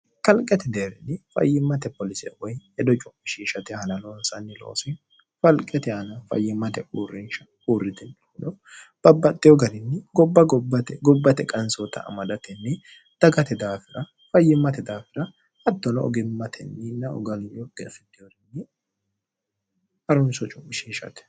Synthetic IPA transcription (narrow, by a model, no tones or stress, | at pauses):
kɐlkʼɛt̪ɛd̪eːɾɪ̰nːɪfɐ̰jːɪmːɐt̪ɛpɔlɪsɛwɔjɛd̪ɔt͡ʃʼʊmːɪʃiːʃɐt̪ɛhɐnɐlonsɐnːɪlo̰ːsɪn | fɐlkʼɛt̪ɛɐnɐfɐ̰jːɪmːɐt̪ɛʔuːrːɪnʃɐ | uːrːɪt̪ɛn | ʊdɔ | b̥ɐbːɐt̪ʼːɪjɔɡɐɾɪnːɪɡɔbːɐɡɔbːɐt̪ɛɡɔbːɐt̪ɛkʼɐnsot̪ɐ̰ɐ̰mɐd̪ɐt̪ɛnːɪ | d̪̥ɐɡɐt̪ɛd̪aːfɪɾɐ | fɐjːɪmːɐt̪ɛd̪aːfɪɾɐ | ɐd̪ːɔnɔɔ̰ɡɪmːɐt̪ʰɛ̰nːɪnːɐɔ̰ɡɐlɪjɔɡɛfɪd̪ːɪjɔɾɪnːɪ | ɐɾʊnsɔt͡ʃʼʊmːɪʃiːʃɐ̰t̪ɛ̥